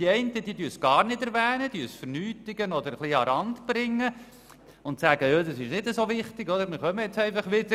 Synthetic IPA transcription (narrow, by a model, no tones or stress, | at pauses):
d̥iɛɪntəd̥̪iːd̪yːəsɡ̥ɑːɾnɪdɛɾʋɛːnəd̥̪yːəsfəɾnyːtɪɡənɔd̪əɾχliːɑɾɑntb̥ɾɪŋːə | ʊntsæːɡəjoːd̪ɑsɪʃnɪdəsoʋɪχt̪ɪɡɔdəɾmɪɾχœməjɛt͡sɛɪfɑχʋɪd̥̪ə